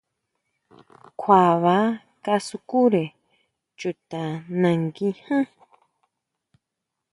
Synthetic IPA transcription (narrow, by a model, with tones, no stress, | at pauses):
kʷʰwa˨βa˨˦ | ka˧su˧ku˦ɾe˨ | t͡ʃu˨t̪a˨nã˧ŋɡi˧hã˦